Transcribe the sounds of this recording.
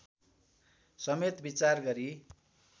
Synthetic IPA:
sʌmet̪bit͡sarɡʌɾi

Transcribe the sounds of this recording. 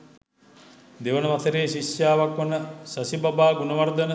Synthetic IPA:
d̪eʋənəʋat̪əɾeːʃiʃjaːʋakʋɐnəsɐsibabaːɡunəʋaɾd̪ənə

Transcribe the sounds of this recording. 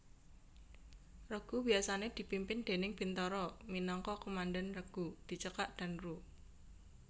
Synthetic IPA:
rəɡ̥ubiasaned̪̥i̤pimpɪnd̪̥e̤nɪŋb̥int̪ɔɾɔminɔŋkɔkomandanrəɡ̥ud̪̥i̤t͡ʃəkaʔd̪̥a̤nru

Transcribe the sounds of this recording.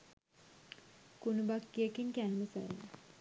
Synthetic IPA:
kunubakːijəkinkæːməsə̰ɾ̰nə

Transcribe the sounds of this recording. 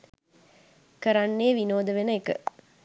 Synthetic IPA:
kəɾanːeːʋinoːd̪əʋenəekə̰

